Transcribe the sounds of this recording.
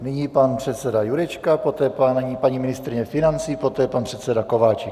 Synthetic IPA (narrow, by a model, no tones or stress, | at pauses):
nɪɲiːpanpr̝̥ɛt̪sɛdajuɾɛt͡ʃkapot̪ɛːpanɲipaɲimɪnɪst̪ɾɪɲɛfɪnant͡siːpo̞t̪ɛːpanpr̥ɛt̪sɛdakovaːt͡ʃɛk